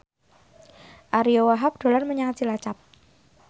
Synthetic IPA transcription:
ʔaɾiowaɦap̚ɖ̥o̤larməɲaŋat̪t͡ʃilat͡ʃap̚

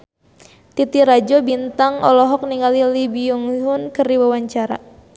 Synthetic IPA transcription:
t̪it̪iɾad͡ʒɔbint̪aŋɔlɔɦɔk̚niŋalilibiuŋɦʊnkɨrdiwawaɲt͡ʃaɾa̰

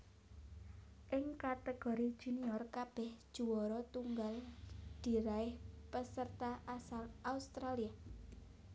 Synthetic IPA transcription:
ʔɪŋkat̪əɡ̥ɔ̤ɾid̥ʒ̥ṳniɔrkab̥ɛhʒ̥ṳwɔɾɔt̪uŋɡald̪̥i̤ɾaɪhpəsərt̪aʔasalʔaust̪ɾalia

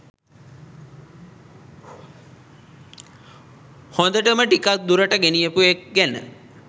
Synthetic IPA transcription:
hõnd̪əʈəməʈikak̪̚d̪uɾəʈəɡenijəpuek̚ɡænə̰

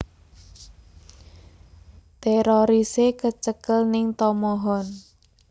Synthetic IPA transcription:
t̪eɾoɾisekət͡ʃəkəlnɪŋt̪ɔmɔɦɔn

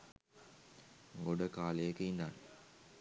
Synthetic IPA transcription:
ŋɡoɖəkaːlejəkeind̪aːn

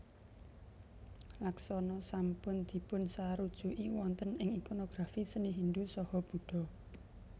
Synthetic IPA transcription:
laksɔnɔsampʊnd̪̥i̤pʊnsaɾud̥ʒ̥ṳʔiwɔnt̪ənɪŋikonoɡ̥ɾafisəniɦind̪usɔhɔb̥ṳɖ̥ɔ̤

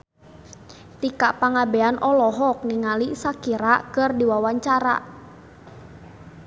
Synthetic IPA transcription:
t̪ikaʔpaŋabeanʔɔlɔɦɔk̚niŋalisakiɾakərdiwawaɲt͡ʃaɾa̰ʔ

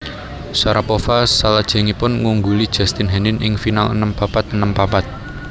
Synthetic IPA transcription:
saɾapofasalad̥ʒ̥ɛ̤ŋipʊnŋuŋɡulid̥ʒ̥a̤st̪ɪnɦɛnɪnɪŋfinalə̰nəmpapat̪̚ənəmpapat̪̚

